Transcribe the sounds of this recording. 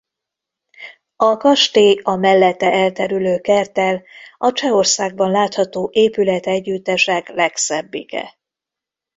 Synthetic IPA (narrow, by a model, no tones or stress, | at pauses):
ɒkɒʃt̪eːɒmɛlːɛt̪ːɛʔɛlt̪ɛɾyløːkɛrt̪ɛlɒt͡ʃɛo̞rsaːɡ̚bɒnlaːt̪hɒt̪oːʔeːpylɛt̪ɛɟːyt̪ːɛʃɛklɛksɛbːikɛ̰